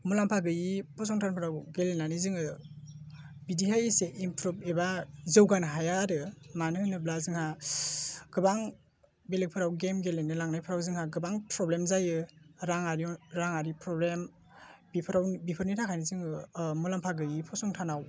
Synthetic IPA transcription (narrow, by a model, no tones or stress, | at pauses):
mulampʰaɡɯjipʰɔsɔŋtʰanpʰɯɾawɡelenanizɯŋɯ | bidiɦajseʔimpʰɾup̚ebazɯwɡanɦajaɾɯmanɯnɯblazɯŋha | ɡ̥ɯbaŋ | belek̚pʰɯɾawɡemɡelenɯlaŋnajpʰɯɾawzɯŋhaɡɯbaŋpɾɔblemzajɯɾaŋaɾiɾaŋaɾipɾɔblem | bipʰɯɾawnbipʰɯɾnitʰakʰajnizɯŋɯmulampʰaɡɯjipʰɔsɔŋtʰanaw